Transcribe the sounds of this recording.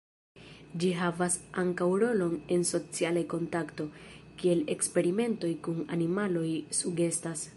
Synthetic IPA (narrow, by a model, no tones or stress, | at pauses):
d͡ʒiɦavasaŋkawɾo̞lo̞ne̞nso̞t͡sialajko̞ntakto̞ | kie̞le̞kspe̞ɾime̞nto̞jkuna̰nimalo̞jsuɡe̞stas